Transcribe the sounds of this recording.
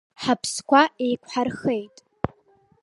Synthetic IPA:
ħapʰskʷae̞jkʷʰħarxejtʼ

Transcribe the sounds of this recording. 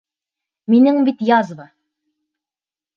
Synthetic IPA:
minɘŋbit̪jɑzβɤ

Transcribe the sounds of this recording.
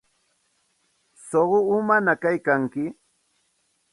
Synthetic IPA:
soɢʊːmanakajkaŋkɪ

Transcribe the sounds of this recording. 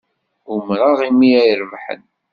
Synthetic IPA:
ʊmɾˤɑʁimiæjəɾəvħə̰n

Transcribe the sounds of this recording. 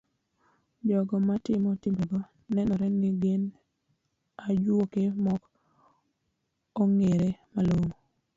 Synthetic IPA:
d͡ʒɔɡɔmatɪmɔtɪmbeɡɔ | nɛnɔɾɛŋɡɪɡen | ad͡ʒwokemɔk | oŋeɾemaloŋo

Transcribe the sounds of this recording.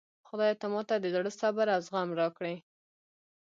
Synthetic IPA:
xʊd̪ɑjat̪amɑt̪ad̪əzaɽəsabaɾawzɣamɾɑkɽe

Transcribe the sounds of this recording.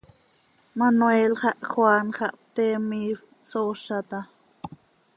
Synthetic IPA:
manwelχɑʔxwanχɑʔp̚t̪emiːf | soʃat̪a

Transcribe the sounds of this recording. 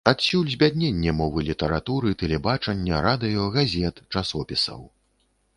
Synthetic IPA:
at̪sʲulʲzʲbʲad̪ʲnʲenʲːɛmɔvɨlʲit̪ɐɾat̪uɾɨt̪ɛlʲɛbat͡ʂɐnʲːɐɾad̪ɨjɔɣazʲɛt̪t͡ʂasɔpʲisɐ̰w

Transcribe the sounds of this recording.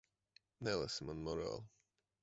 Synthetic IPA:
nɛlˠasmanmɔɾa̰lˠ

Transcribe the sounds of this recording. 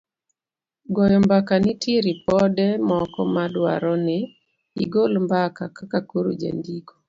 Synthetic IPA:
ɡɔjɔmbakanɪtiɾipɔdɛmɔkɔmadwa̰ɾɔnɪ | ḭɡolmbakakakakuɾṵd͡ʒḛndikɔ̥

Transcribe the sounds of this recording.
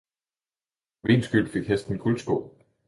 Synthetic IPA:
ʋe̝̰nsɡ̥ylfe̝ɡ̥hesd̥n̩kʰulsb̥ɔ̰ː

